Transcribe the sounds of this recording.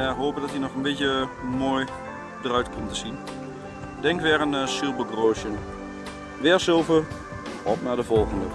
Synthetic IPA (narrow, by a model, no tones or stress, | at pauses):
ɦoːpədɔtinɔxənbɪtjəmoːj | dərœɥtkʰɔmtəsin | dɛŋkʋɛrənsylˠbəɡroːʃjən | ʋɛsølˠvər | ɔpnadəvɔlˠɣəndə